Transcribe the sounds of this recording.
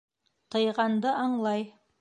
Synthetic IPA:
t̪ʰɤ̆jʁɑnd̪əʔɑɴlˠɑj

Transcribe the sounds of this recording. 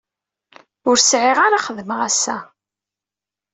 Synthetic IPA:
ʊɾsʕiʁaɾaχəðəməʁæsːæ̰

